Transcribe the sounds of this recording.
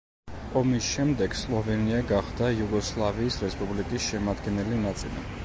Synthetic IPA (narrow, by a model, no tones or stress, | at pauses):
ɔmisʃɛmd̪ɛɡslˠɔvɛniaɡaχd̪ajuɡɔslˠaviːsɾɛspʼublikʼisʃɛmad̪ɡɛnɛlinat̪sʼilḭ